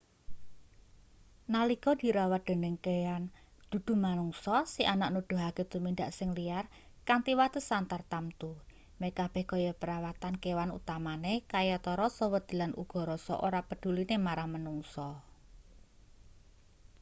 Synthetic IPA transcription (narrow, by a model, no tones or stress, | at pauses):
nalikɔd̪̥i̤ɾawad̪̥ə̤nəŋkejand̪̥ṳd̪̥ṳmanuŋsɔsiʔanaʔnud̪̥ʊ̤ɦaket̪umind̪aʔsɪŋliar | kaŋt̪iwat̪əsant̪art̪amt̪u | mekab̥ɛhɡɔjɔpəɾawat̪ankewanṵt̪amanekajɔt̪ɔɾɔsɔwəd̪̥i̤lanʔṵɡ̥ɔ̤ɾɔsɔ̰ʔoɾapəd̪̥ṳlinemaɾaŋmənuŋsɔ